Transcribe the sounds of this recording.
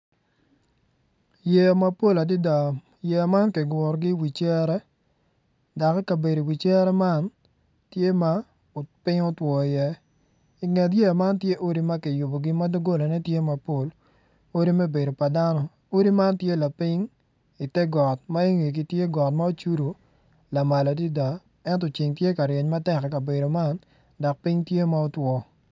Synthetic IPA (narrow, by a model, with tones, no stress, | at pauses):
jɛ˨a˨ma˨po˦la˨di˦da˨ | je˨a˨ma˦nkɛ˨ɡwɔ˨ɾɡɪ˦wi˨t͡ʃɛ˦ɾɛ˦ | da˨kɛ˦ka˨be˨do˨wi˨t͡ʃɛ˦ɾɛ˦ma˦n | tje˦ma˦ | o˨pɪ˦ŋo˦twɔ˨jɛ˦ | i˨ŋɛ˨t̬je˦a˨ma˦ntje˦ʔo˦ɾi˦mɐ˦ki˨jʊ˨bo˨ɡɪ˦ma˦do˦ɡo˦la˨nɛ˦tje˦ma˨po˦l | o˦ɾi˦mɛ˦be˨do˨pa˨da˦nɔ˦ | o˦ɾi˦ma˦ntje˦la˨pi˦ŋ | i˨tɛ˦ɡɔ˨t̚ma˦e˦ŋi˨k̬i˦tje˦ɡɔ˨tma˦o˦t͡ʃu˦ɾu˨ | la˨ma˨la˨t̬i˦da˨ | ɛ˦ntɔ˨t͡ʃi˨ŋtje˦ka˨ɾje˨ɲma˦tɛ˦kɛ˨ka˨be˨do˨ma˦n | dɔ˨k̚pi˦ŋtje˦ma˦o˦twɔ˨